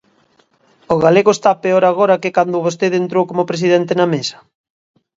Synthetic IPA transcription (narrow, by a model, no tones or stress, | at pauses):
oɣaleɣoest̪apeoɾaɣ̞oɾɐkekand̪ʊβost̪eðent̪ɾowkomopɾes̬iðɛnt̪enɐmesɐ̥